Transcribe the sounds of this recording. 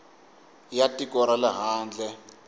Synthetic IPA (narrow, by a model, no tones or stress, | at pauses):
jatʼikʼɔɾalaɦaːnd͡ɮʱɛ